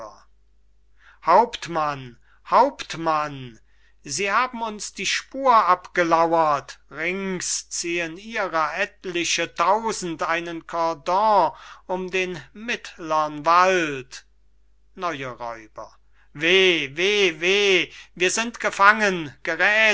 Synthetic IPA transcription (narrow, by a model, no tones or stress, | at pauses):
haʊptman | haʊptman | ziːhaːbm̩ʊnsd̥iːʃpuːɐʔapɡ̥əlawɐtʁɪŋst͡siːəniːʁɐʔɛtlɪʃətaʊzn̩tʔaɪnənkʰɔɐdɔ̃ʔʊmdeːnmɪtlɐnvalt | nɔʏəʁɔ̰ʏbɐ̰ | veːveːveːviːɐzɪntɡ̥əfaŋənɡ̥əʁɛː